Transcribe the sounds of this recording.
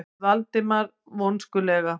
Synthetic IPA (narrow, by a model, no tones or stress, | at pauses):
valt̪ɪmaɾ | vɔnskʏlɛːɣa